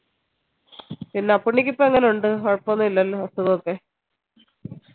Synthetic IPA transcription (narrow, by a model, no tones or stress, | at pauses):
pinːeɐpːuɳːikʲːipːoeŋːɐneuɳɖɨoɻpːonːuilːɐlːɐst̪uðɐokːe̞